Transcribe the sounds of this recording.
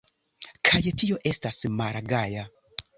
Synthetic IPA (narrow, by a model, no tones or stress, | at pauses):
kʰajetioʔestasmaɾaɡaja